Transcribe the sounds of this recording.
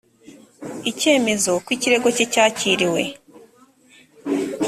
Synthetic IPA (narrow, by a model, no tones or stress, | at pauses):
ice̞ːme̞zo̞kwiciɾe̞ɡo̞cecaːciːɾiwe̞̰